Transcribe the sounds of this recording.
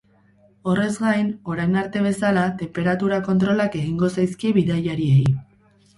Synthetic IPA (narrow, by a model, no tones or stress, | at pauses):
o̞re̞zɡajno̞ɾajnaɾt̪e̞β̞e̞salat̪e̞mpe̞ɾat̪uɾako̞nt̪ɾo̞lake̞ɣiŋɡo̞sajskieβiðajaɾie̞j